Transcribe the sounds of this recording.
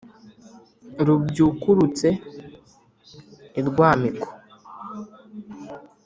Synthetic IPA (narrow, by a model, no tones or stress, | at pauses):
ɾubɟukuɾut͡se | iɾɡwaːmiko̥